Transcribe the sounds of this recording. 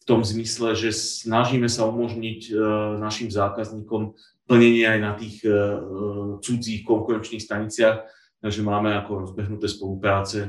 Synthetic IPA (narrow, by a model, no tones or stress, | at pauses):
ft̪ɔmzmislɛʒɛsnaʒiːmɛsaumɔʒɲicnaʃimzaːkazɲiːkɔm | pl̩ɲɛɲɪɛajnat̪iːx | t͡sud͡ziːxkɔŋkuɾɛnt͡ʃniːxst̪aɲit͡sɪaːx | t̪aɡʒɛmaːmɛakɔɾɔzbɛɦnut̪ɛːspɔlupɾaːt͡sɛ